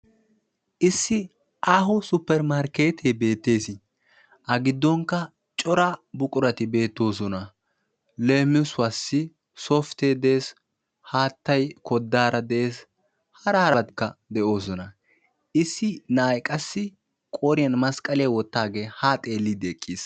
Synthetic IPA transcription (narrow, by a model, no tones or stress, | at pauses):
ʔɪsːɪ | ʔaːɦʊsʊpːɛɾmaɾkeːt̪ʰebe̞ːt̪ːe̞ːsɪ | ʔɐɡɪd̪ːɔŋkːɐ | t͡ʃʼɔɾɐbʊkʼʊɾɐt̪ɪbe̞ːt̪ːo̞ːsɔnɐ | leːmːɪsʊwɐsːɪ | soːft̪eːd̪eːs | haːt̪ːɐjkɔd̪ːaːɾɐd̪ɛeːs | hɐɾɐhɐɾɐd̪kːɐd̪ɛʔo̞ːsɔnɐ | ʔɪsːɪnaːjkʼɐsːɪ | kʼoːɾɪjɐnmɐskʼɐlɪjɐwɔt̪ːaːɡeːhaːt̪ʼe̞ːlːɪd̪ɛkʼːis